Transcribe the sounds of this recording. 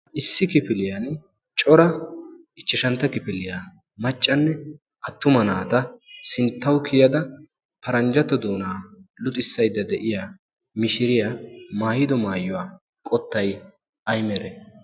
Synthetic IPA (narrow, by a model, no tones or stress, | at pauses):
ʔɪsːɪkɪpɪlɪjan | t͡ʃʼɔɾɐ | ɪt͡ʃːɪʃɐnt̪ːɐkɪpɪlɪjaː | mɐt͡ʃʼːɐnːɛ | ʔɐt̪ːʊmɐnaːt̪ɐsɪnt̪ːɐwkʰɪjɐd̪ɐ | pɐɾɐnd͡ʒɐt̪ːɔd̪uːnaːlʊt̪ʼɪsːɐjd̪ːɐd̪ɛʔɪjaː | mɪʃɪɾɪjamaːjɪd̪ɔmaːjːʊwaː | kʼɔt̪ːɐj | ʔɐjmɛɾɛ